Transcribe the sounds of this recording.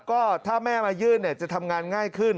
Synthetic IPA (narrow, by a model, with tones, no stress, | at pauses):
kɔː˥˩t̪ʰaː˥˩mɛː˥˩maː˧jɯː˥˩nːi˥˩t͡ɕa˨ʔt̪ʰa˧mŋaː˧nŋaː˥˩jkʰɯ˥˩n